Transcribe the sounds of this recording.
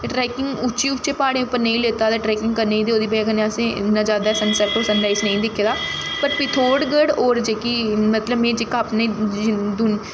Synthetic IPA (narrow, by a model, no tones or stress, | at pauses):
ʈɾɛːkɪŋɡʊt͡ʃiːʊt͡ʃːeːpaːɽ̃eːʊpːəɾnə̃ĩːleːt̪aːd̪aːʈɾɛːkɪŋɡkəɾneiːd̪eːoːd̪iːbekəneəsẽːnãːd͡ʒaːd̪aːɛːsənsɛːkʈoːsənɖaːɪsnəĩːd̪ɪkʰːeːd̪aː | pəɾpit̪ʰoːɖɡəɽɔːɾd͡ʒeːkiːmət̪ləbmẽːd͡ʒeːkaːpneːd͡ʒd̪ʊn